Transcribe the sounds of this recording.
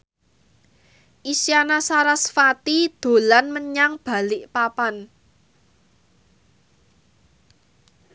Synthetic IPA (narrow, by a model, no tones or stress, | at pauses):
ʔisjanasaɾasfat̪id̪̥o̤lanməɲaŋb̥a̤lɪʔpapan